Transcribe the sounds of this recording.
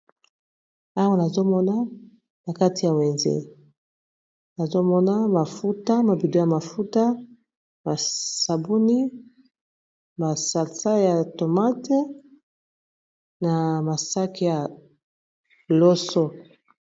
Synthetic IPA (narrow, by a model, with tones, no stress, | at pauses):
a˦wa˦na˨zo˦mɔ˦na˦ | na˨ka˦ti˨ja˨we˨nzḛ˦ | na˨zo˦mɔ˦na˦ma˨fu˦ta˦ma˨bi˨do˦ja˨ma˨fu˦ta˦ | ma˨sa˨bu˦ni˦ | ma˨sa˨lsa˦ja˨to˨ma˦te˦ | na˨ma˨sa˦ki˦ja˨ | lɔ˦sɔ˦